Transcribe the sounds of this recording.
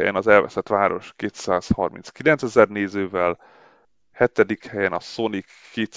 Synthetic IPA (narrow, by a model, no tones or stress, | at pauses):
jɛ̰nɒzɛlvɛ̰sɛt̪ʋaːɾo̞̰ʃkeːt̪saːshɒrmḭnskilɛnt̪sɛzɛrneːzøːvɛl | hɛt̪ɛd̪ikhɛjɛnɒso̞nikːeːt̪